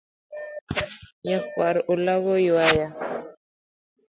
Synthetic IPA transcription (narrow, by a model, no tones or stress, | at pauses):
ɲakwaɾolaɣojuwaja